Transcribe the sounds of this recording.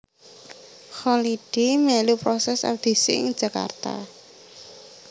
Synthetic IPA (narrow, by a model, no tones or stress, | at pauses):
xɔliɖ̥imɛlupɾɔsɛsa̰d̪̥i̤sɪɪ̰ŋd̥ʒ̥ä̤ka̰rt̪a̰